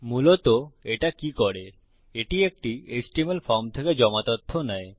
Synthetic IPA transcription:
mulot̪oeʈakikɔɾe | eʈiek̚ʈiesʈimelfɔɾmt̪ʰeked͡ʑɔmat̪ot̪ʰːonɛe

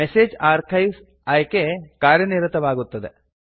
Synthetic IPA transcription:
eseːd͡ʒaːɾkʰɐjʋs | ɐjkekaːɾjɐniɾɐt̪ɐʋaːɡut̪ːɐd̪e

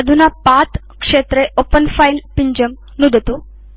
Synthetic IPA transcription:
əd̪ʱunapat̪ | kʂet̪ɾeʔopənfailpiɲd͡ʑəm | nud̪ʱt̪u

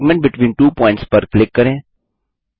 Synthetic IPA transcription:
ɡmɛ̃ɳʈ̚bɪʈʋĩːnʈuːpɔ̃ːɪ̃ɳʈspɐɾklɪkːɐɾẽː

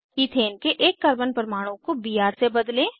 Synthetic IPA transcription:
iːt̪ʰeːnkeʔeːkːɐɾbənpəɾmaːɽ̃õkobiɦaːɾsebɐd̪lẽː

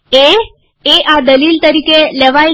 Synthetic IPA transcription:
e | eʔad̪əlilt̪əɾikelɛʋaj

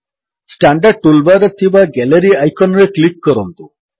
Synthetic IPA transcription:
sʈaɳɖaɖ̚ʈulbaɾet̪ʰibaɡɛleɾiajkʰɔnɾeklikːɔɾɔnt̪u

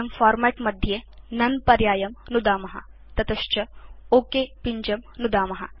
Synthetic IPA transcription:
ɐmfaːɾmɛʈmɐd̪ʱjenɐnpɐɾjaːjɐmnud̪aːmɐɦɐ̰ | t̪ɐt̪ɐʃt͡ʃɐoːkepiɲd͡ʒɐmnud̪aːmɐɦɐ̰

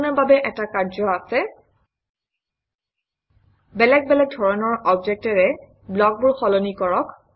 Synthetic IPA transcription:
nɔɹbabɛʔɛtakaɹzɔasɛ | bɛlɛk̚bɛlɛk̚dʱɔɹɔnɔɹɔbd͡ʒɛk̚tɛɹɛ | blɔk̚buɹxɔlonikɔɹɔk

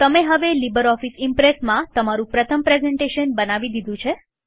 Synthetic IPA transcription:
t̪əmeɦəʋelibəɾɔfisimpɾesmãt̪əmaɾũpɾət̪ʰəmpɾezɛɳʈeʃənbənaʋid̪id̪ʱũt͡ʃʰe

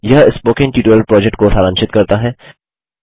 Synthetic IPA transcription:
jɐɦɪspoːkɪ̃ŋɡ̚ʈiːʈoːləɾpɾɔːd͡ʒɛkʈ̚kosʰaːɾãːnʃɪt̪kɐɾt̪aɦɛː

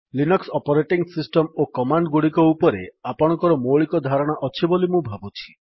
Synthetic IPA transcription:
linɔksɔpɔɾeʈiŋsisʈɔmokɔmaɳɖɡuɽikɔupɔɾḛapɔɽ̃ɔ̃ŋkɔɾɔmoɭikɔd̪ʱaɾɔɽ̃ɔʔɔt͡ʃʰibolimũbʱabut͡ʃʰi̥

